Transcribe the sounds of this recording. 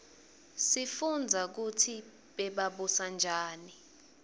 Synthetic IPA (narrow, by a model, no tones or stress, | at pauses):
sifund͡zʱak̬utʰi | ɓɛɓaɓusand͡ʒʱaːni